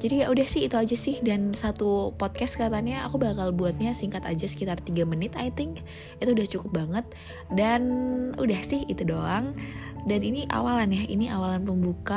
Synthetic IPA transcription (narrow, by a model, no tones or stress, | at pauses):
d͡ʒadijaʔudahsɪhit̪uad͡ʒasɪhdansat̪upɔt̪̚kɛst̪kaat̪aɲaːkubakalbuat̪̚ɲasiŋkat̪ad͡ʒasə̥kit̪art̪iɡamənɪt̪ajt̪ɪŋk | it̪uudaht͡ʃukʊp̚baŋət̪̚ | danṵdahsɪhit̪udoaŋdaniniʔa̰walanjainiʔawalanpəmbuka